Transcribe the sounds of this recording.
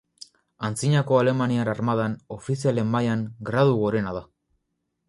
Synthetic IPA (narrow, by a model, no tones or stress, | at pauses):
ant͡siɲako̞ale̞manianaɾmaðano̞fisiale̞mːajaŋɡɾaðuɣo̞ɾe̞naða